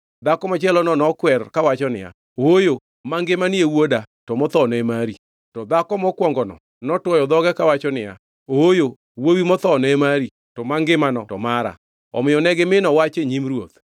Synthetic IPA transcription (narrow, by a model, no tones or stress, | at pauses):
d̪akɔmɔt͡ʃɛlɔnɔnɔkwɛrkawat͡ʃɔnɪ̰ja̰ | ojo | maŋɡɪmaniewoda | tɔmɔt̪ɔnɔɛmaɾi | tɔd̪akɔmɔkwɔŋɡɔnɔ̰ | nɔtwɔjɔd̪ɔɡɛkawat͡ʃɔnɪja̰ | ojo | wowimɔt̪ɔnɔɛmaɾi | tɔmaŋɡɪmanɔtɔmaɾa̰ | ɔ̰mɪjɔnɛɡɪmɪnɔwat͡ʃeɲimɾwot̪